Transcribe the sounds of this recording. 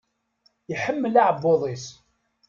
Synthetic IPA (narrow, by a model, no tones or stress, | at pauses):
jəħəmːəlaʕbːoðˤis